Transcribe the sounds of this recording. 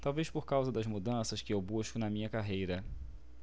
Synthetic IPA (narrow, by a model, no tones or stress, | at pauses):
t̪awvejʃpoɾkawzɐd̪ɐzmud̪ɐ̃sɐʃkɪewbuʃkʊnɐmĩɲɐkaɦejɾɐ